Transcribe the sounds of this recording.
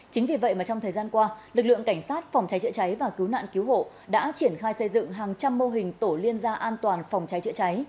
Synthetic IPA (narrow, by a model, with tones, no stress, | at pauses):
t͡ɕï˨˦ŋvi˨˩və̰˧˨jmaː˨˩t͡ɕɔ˧ŋ͡mt̪ʰəː˨˩jzaː˧nkwaː˧lɨ˨˩k̚lɨ̰˧˨əŋka˧˩ŋ̟saː˦˥t̚fɔ˨˩wŋ͡mt͡ɕa˨˦jt͡ɕə̰˧˥t͡ɕa˨˦jvaː˨˩ki˨˦wna̰ː˧˨nki˨˦wɦo̰˧˨ | ɗa̰ː˧˥t͡ɕi˧˩ənxaː˧jsə˧jzɨ̰˧˨ŋɦaː˨˩ŋt͡ɕa˧mːo˧ɦï˨˩ŋ̟t̪o˧˩li˧ənzaː˧ʔaː˧nt̪waː˨˩nfɔ˨˩wŋ͡mt͡ɕa˨˦jt͡ɕə̰˧˥t͡ɕa˨˦j